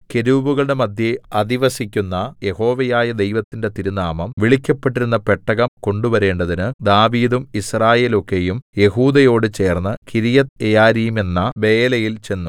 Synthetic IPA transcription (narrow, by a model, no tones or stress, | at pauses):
ke̞ɾuʋuɣɐɭɽe̞mɐd̪ʱjeɐðiʋɐsikʲːunːɐje̞ho̞ːʋɐjaːjɐd̪e̞jʋɐt̪ːinde̞t̪iɾunaːmɐmʋiɭikʲːɐpːe̞ʈːiɾunːɐpeʈːɐɣɐmko̞ɳɖuʋɐɾe̞ːɳɖɐðinɨd̪aːʋiːðumisraːje̞ːlo̞kːe̞jumjeɦuːd̪ɐjo̞ːɽɨt͡ɕe̞ːrnːɐkiɾijɐt̪ejaːɾijume̞nːɐʋe̞ːlɐjilt͡ɕe̞nːu